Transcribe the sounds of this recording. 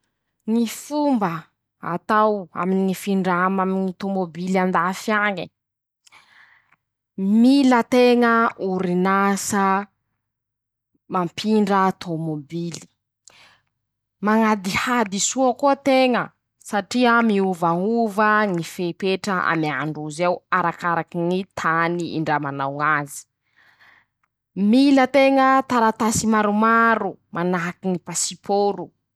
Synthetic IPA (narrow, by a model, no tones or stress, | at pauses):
ŋifumbə | a̰t̪awa̰miniŋifiɳɖ͡ʐamaminit̪omobiliand̪afaɲə | milət̪eŋəʔuɾinasə | mampʰiɳɖ͡ʐaat̪ʰomobili̥ | maŋad̪ihad̪isuakuat̪eŋə | saʈ͡ʂiəmiuvaŋuvəŋifepeʈ͡ʂəa̰miaɳɖ͡ʐuzewaɾakaɾakinit̪ʰaniḭɳɖ͡ʐamanawazi̥ | milət̪eŋət̪aɾat̪asimaɾumaɾumʔanaɦkiŋipasipʰoɾu